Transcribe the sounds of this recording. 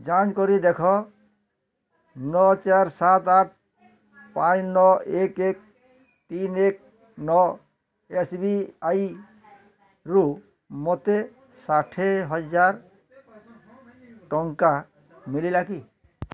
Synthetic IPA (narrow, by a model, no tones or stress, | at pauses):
d͡ʒat͡ʃkɔɾid̪ekʰɔ | nɔt͡ʃaɾsat̪aʈ̚ʰ | pãt͡ʃnɔekek̚ | t̪inek̚ | nɔ | esbiaj | ɾu | mot̪e | saʈʰeɦɔd͡ʒaɾ | ʈɔŋka | mililaki